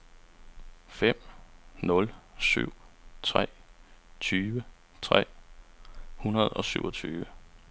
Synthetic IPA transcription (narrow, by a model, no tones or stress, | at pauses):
fem̰nɔ̽lsy̰ʊ̰t͡sʰʁɛ̰ːt͡sʰyːʋə | t͡sʰʁɛ̰ː | hunɐð̞̩ˠɒ̽syʊ̰ɒt͡sʰyːʋə